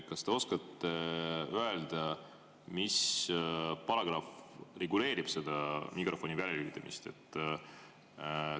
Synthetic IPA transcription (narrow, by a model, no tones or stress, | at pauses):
kɑst̪e̞o̞skɑt̪ːˑe̞øeld̪̥ɑ | mis | pɑɾɑɡ̥ɾɑfre̞ɡule̞ːɾib̥se̞d̪ɑmikrʔo̞fo̞nivælʲelyːd̪ˑɑmḭst̪e̞̰t̪ːˑ